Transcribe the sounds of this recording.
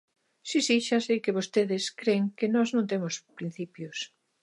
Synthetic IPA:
sisiʃasejkeβost̪eðɪskɾeŋkenɔznõnt̪emʊspɾin̟θipjʊs

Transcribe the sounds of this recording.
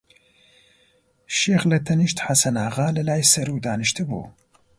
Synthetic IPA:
ʃeːxlɨt̪ʰɐniʃt̪ħasɐnaːʁaːlɨlaːjsɐɾuːd̪aːnɨʃt̪ʰɨbṵː

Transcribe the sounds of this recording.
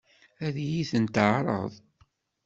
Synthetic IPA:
æðjiθənt̪ʕɾˤə̰ðˤ

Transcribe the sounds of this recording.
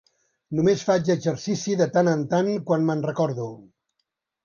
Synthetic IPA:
numesfad͡ʒəɡzəɾsisiðət̪anənt̪aŋkwanmənrəkɔɾðu

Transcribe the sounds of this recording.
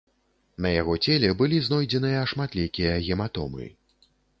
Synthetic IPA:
nɐjaɣɔt͡sʲelʲɛbɨlʲiznɔjd͡zʲɛnɨjɐʂmat̪lʲɛkʲijɐɣʲɛmat̪ɔ̰mɨ̰

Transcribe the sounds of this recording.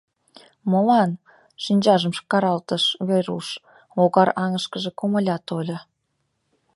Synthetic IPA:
molɑn | ʃinʲd͡ʑɑʒəmʃkɑɾɑlt̪əʃβeɾṵʃ | oɣɑɾɑŋəʃkəʒĕkomə̆lʲɑt̪olʲɤ̆

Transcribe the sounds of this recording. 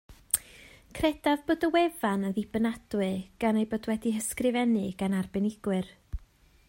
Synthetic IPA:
kʰrɛd̥avboːdəwɛvanəðɪbənad̥wɨɡ̥anejboːdwɛdihəskrɪvɛnɨɡ̥anarbɪnɪɡ̥wɨr

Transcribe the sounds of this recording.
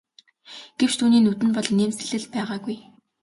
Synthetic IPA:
ɡ̥ewt͡ɕt̪ʰuːniːnut̪ɘ̆npɔɮneːmt͡sɘ̆ɮɘ̆ɮpæːʁaːɡuj

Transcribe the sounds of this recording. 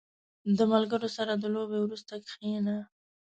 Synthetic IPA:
d̪əmalɡəɾosaɾad̪əlobewɾust̪akxina

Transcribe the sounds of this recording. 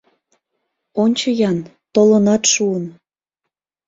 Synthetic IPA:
onʲt͡ɕɤjɑn | t̪olonɑt̪ʃuən

